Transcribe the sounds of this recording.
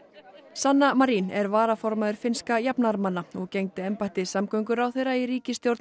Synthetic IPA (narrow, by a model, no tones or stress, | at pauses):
sanːamaɾinɛɾvaːɾafɔɾmaðʏɾ̥fɪnskajapnaɾmanːaɔɣcejŋt̪ɪɛmpajt̪ɪsamkœɥŋkʏɾawθejɾaiɾiːcɪst̪jowɾt̪